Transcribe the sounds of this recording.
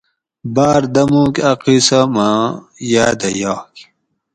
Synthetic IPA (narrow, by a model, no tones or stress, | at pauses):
baːɾd̪ɐmũːkɐqisamajaːd̪ɐjaːk